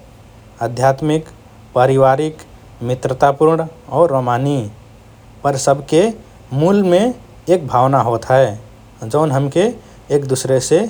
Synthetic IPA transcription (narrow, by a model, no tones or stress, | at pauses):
əd̪ʱjat̪mɪk | pəɾiwaɾɪk | mɪt̪ɾət̪apuɾɳɔːɾɾːomani | pəɾsəbʱke | mulmẽ | eːk̚bʱaːwnaɦot̪ɦɛe | d͡ʒəʊnɦəmke | eːkd̪usɾese